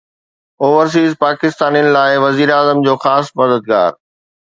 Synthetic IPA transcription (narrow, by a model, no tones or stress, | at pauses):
oːʋəɾs̬iːzpaːkɪst̪aːnijənɪ̆laːɪʋɐziːɾaːzəmd͡ʑoːxaːsmɐd̪əd̪̚ɡa̰ːɾ